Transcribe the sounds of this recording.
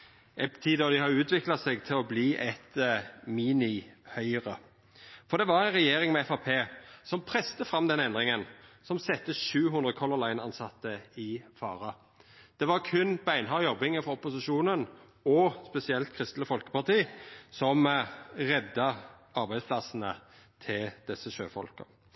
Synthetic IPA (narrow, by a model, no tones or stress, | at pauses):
ɛpt̪ʰiːd̪əd̪ɪhɑʉːt̪ʰʋɪklɑsɛɡt̪ʰɪlɔbliːʔɛt̪miːnɪhœʏəʁə | fɔɾd̪ɛʋɑɾæɪnʁɛjeːɾɪŋmɛɛfɑpʰeːsɔmpʰɾɛst̪əfɾɑmd̪ɛnɛnd̪ʁɪŋənsɔmsɛt̪ːəʃʉːɦʉnd̪ʁəkʰɔlʊlæɪnɑnsɑt̪ːəɪfɑːʁɑ | d̪̥ɛʋɑʁkʰʉnbæɪnɦɑjɔbɪŋəfɔɔpʊsɪʃuːnən | ɔspɛsɪɛlt̪̚kʰɾɪst̪ləfɔlkə̥pɑʁt̪iːsɔmʁɛd̪ːə | ɑɾbæɪd̪spʰlɑsnə | t̪ʰɪld̪̥ɛsːəʃø̰ːfɔ̰lkə̰